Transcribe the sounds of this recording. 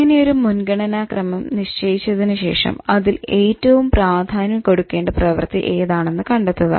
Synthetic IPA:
ŋɐnejo̞ɾumunɡɐɳɐnaːkrɐmɐmniʂt͡ɕɐːjit͡ɕːɐðinɨɕe̞̰ːʂɐ̰mɐðileːtːɐʋumpraːd̪ʱaːnjɐmko̞ɽukːe̞ːɳɖɐprɐʋɐ̰rt̪iʔe̞ːðaːɳe̞nːɨkɐɳɖet̪ːɐðɨ̰

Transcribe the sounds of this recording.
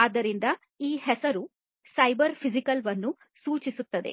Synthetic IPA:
aːd̪ːɐɾind̪ɐ | iːhɛsɐɾu | sɐjbɐɾpʰizikɐlʋɐnːu | suːt͡ʃisut̪ːɐd̪e̞̰

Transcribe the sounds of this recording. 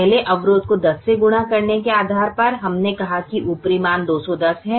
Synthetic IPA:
ɦleʔɐʋɾoːd̪̚kod̪ɐsːeɡʊɽ̃akɐɾnekeaːd̪ʱaːɾpɐɾɦɐmnekɐɦakiʔupɾimaːnd̪oːsɔd̪ɐsɦɛ̃ː

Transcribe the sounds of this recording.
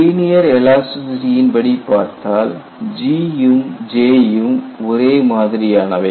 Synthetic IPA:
iːnɪjɐɾɛlaːsʊsɾɪjɪnbɐɽipːaːɾt̪aːl | d͡ʒiːjumd͡ʒeːjɯmɔɾeːmaːðɪɾɪjaːnɐʋɐ

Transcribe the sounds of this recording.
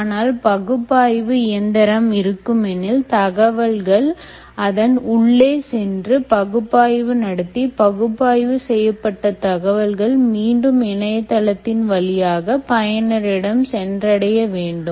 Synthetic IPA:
aːnaːlpɐɣɯpːaːjʋɯɪjɐnd̪ɐɾɐmɪɾɯkːɯmɛnɪlt̪ɐɣɐʋɐlɣɐɭ | ɐðɐnʊɭːeːsɛndrɯpɐɣɯpːaːjʋɯnɐɽɐt̪ːipɐɣɯpːaːjʋɯsɛjːɐpːɐʈːɐt̪ɐɣɐʋɐlɣɐɭmiːɳɖɯmɪnɐjɐt̪ːɐlɐt̪ːɪnʋɐlɪjaːɣɐpɐjɐnɐɾɪɽɐmsɛndrɐɽɐjɐʋeːɳɖɯ

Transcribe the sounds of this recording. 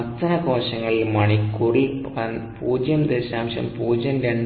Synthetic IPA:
ɐt̪ːɐnɐkoːɕɐŋːɐɭilmɐɳikːuripuːd͡ʑjɐmd̪eːɕaːmɕɐ̰mpuːd͡ʑɐnɾeɳɖ

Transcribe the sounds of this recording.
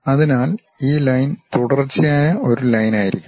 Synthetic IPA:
ɐðinaːl | iːlɐjnt̪uɽɐrt͡ɕːijaːjɐʔo̞ɾulɐjnaːjiɾikʲːum

